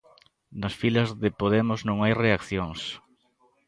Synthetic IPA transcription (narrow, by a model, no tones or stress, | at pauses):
nɐsfilɐzðɪpoðemʊznõŋajreakθjoŋs